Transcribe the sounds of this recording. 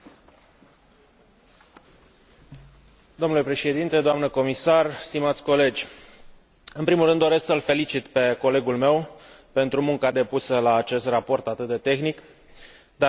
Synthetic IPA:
d̪omnule̞pɾe̞ʃe̞d̪int̪e̞d̪oamnəko̞misarst̪imat̪sʲko̞le̞d͡ʒʲ | ɨnpɾimulrɨnd̪ːo̞ɾe̞sksəlfe̞lit͡ʃit̪pe̞ko̞le̞ɡulme̞w | pe̞nt̪ɾumuŋkad̪e̞pusəlaːt͡ʃe̞st̪rapo̞rt̪at̪ɨt̪̚d̪e̞t̪e̞xnik | d̪a

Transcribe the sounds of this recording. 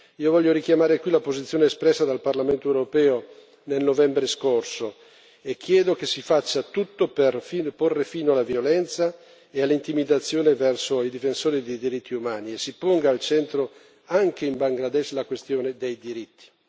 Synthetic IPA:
iːovɔʎːoɾikjamaːɾekwilapozit̪sːjoːneːspɾɛsːad̪alparlament̪oewɾopɛːo | nelnovɛmbɾeskorso | ekʰːjɛːd̪okesifat͡ʃːat̪ut̪ːoperfiːnporːefiːnoalavjolɛnt̪sa | ealːint̪imid̪at̪sːjoːnevɛrsoid̪ifensoːɾid̪ejd̪iɾit̪ʰːiumaːniesːipoŋɡaːlt͡ʃɛnt̪ɾo | aŋkeimbaŋɡlad̪ɛʃlakwest̪joːned̪ejd̪iɾit̪ːi̥

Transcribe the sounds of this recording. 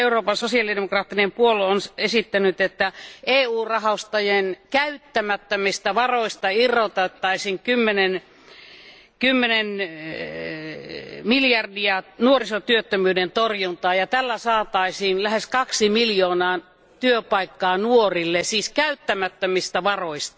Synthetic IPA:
euroːpɑnsosiɑlidemokrɑːt̪ːinempuolonsesit̪ːænyt̪et̪ːæʔeːuːrɑhɑst̪ɑjenkæyt̪ːæmæt̪ːømist̪æʋɑroist̪ɑirːˑot̪ɑt̪ːɑisiŋkymːenen | kymːenen | miljɑrdiɑnuorisot̪yøt̪ːømyːdent̪orjunt̪ɑːjɑt̪ælːæsɑːt̪ɑisiːnlæheskɑksimiljoːnɑː | t̪yøpɑikːɑːnuorilːesiːskæyt̪ːæmæt̪ːømist̪æʋɑroist̪ɑ̥

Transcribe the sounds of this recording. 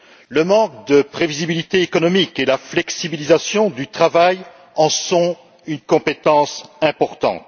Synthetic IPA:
ləmɑ̃k̚d̪əpχevizibilit̪eːkɔnɔmikelaflɛksibilizasjɔ̃d̪yt̪χavaj | ɑ̃sɔ̃ | ynkɔ̃pet̪ɑ̃sɛ̃pɔʁt̪ɑ̰̃t̪

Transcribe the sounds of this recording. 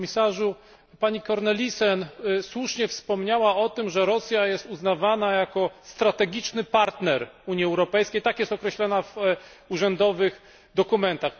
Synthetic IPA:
mʲisaʐu | paɲikɔɾnɛlʲisɛnswuʂɲɛfspɔmɲawaɔt̪ɘmʐɛɾɔsʲjajɛst̪uznavanajakɔst̪ɾat̪ɛɡʲit͡ʂnɘpaɾt̪nɛɾuɲiɛwɾɔpɛjskʲejt̪akjɛst̪ɔkɾɛɕlɔnav | uʐɛnd̪ɔvɘx | d̪ɔkumɛnt̪ax

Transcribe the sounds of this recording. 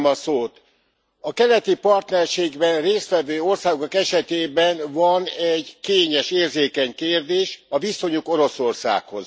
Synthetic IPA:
mɒsoːt̪ | ɒkɛlɛt̪ipɒrt̪nɛrʃeːɡbɛnreːst̪ʋɛvøːo̞rsaːɡo̞kɛʃɛt̪eːbɛnvɒnɛɟkeːɲɛʃeːrzeːkɛɲkeːrd̪eːʃɒviso̞ɲuko̞ɾo̞so̞rsa̰ːkho̞̰z

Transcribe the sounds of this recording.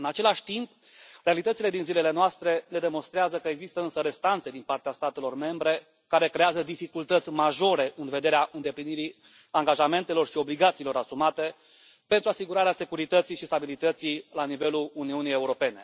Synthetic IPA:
ɨnat͡ʃe̞laʃʲt̪imp | re̞alit̪ətsile̞d̪inzile̞le̞noast̪ɾe̞ne̞d̪e̞mo̞nst̪ɾeazəkəe̞ɡzist̪əɨnsəɾe̞st̪ant̪se̞d̪inpart̪east̪at̪e̞lo̞rme̞mbɾe̞ | kaɾe̞kɾe̞azəd̪ifikult̪ət̪sʲmaʒo̞ɾe̞ʔɨnve̞d̪e̞ɾeaʔɨnd̪e̞pliniɾi | aŋɡaʒame̞nt̪e̞lo̞rʃio̞bliɡat̪siːlo̞ɾasumat̪e̞ | pe̞nt̪ɾuasiɡuɾaɾease̞kuɾit̪ət̪sijʃist̪abilit̪ət̪sijlanive̞luluniunijeuɾo̞pe̞ne̞

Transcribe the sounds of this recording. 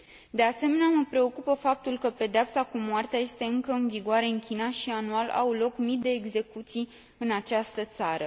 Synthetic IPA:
d̪e̞ase̞me̞neaməpɾe̞o̞kupəfap̚t̪ulkəpe̞d̪eapsakumoart̪eaje̞st̪e̞ɨŋkəɨnviɡoaɾe̞ɨŋkʲinaʃianualʔa̰wlo̞kmid̪e̞ːɡze̞kut̪sij | ɨnat͡ʃast̪ət̪saɾə

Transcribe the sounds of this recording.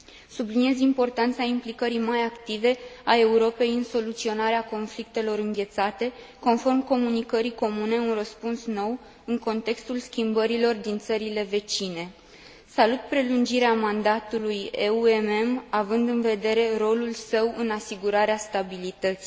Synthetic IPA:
sublinie̞zimpo̞rt̪ant̪saimplikəɾijmajakt̪ive̞ae̞uɾo̞pe̞jɨnso̞lut̪sio̞naɾeako̞nflik̚t̪e̞lo̞ɾɨŋɡʲe̞t̪sat̪e̞ | ko̞nfo̞rmko̞munikəɾiko̞mune̞unrəspunsno̞w | ɨŋko̞nt̪e̞kst̪ulskʲimbəɾilo̞rd̪int̪səɾile̞ve̞t͡ʃine̞ | salut̪̚pɾe̞lund͡ʒiɾeamand̪at̪uluje̞ueme̞mavɨnd̪ɨnve̞d̪e̞ɾe̞ro̞lulsəwɨnasiɡuɾaɾeast̪abilit̪ət̪si

